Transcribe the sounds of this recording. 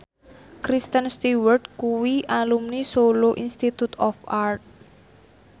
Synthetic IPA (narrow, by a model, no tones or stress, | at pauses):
kɾist̪ənst̪iwərdkuwiʔalumnisoloʔinst̪it̪ut̪ɔfart̪̚